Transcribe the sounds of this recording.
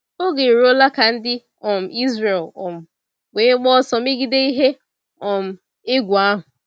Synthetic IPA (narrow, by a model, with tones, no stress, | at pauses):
o˦ɡe˨ɾo˦la˦ka˨n̩˦dɪ˦ | ɔ˨m̩˨i˦zɾe˨lɔ˨m̩˨ | ɡ͡be˨˦ɡ͡bɔ˦sɔ˨m˦ɪ˦ɡi˦de˦i˦ɦe˦ | ɔ˨m̩˨ | ɪ˦ɡʷu˨a˦ɦʊ˨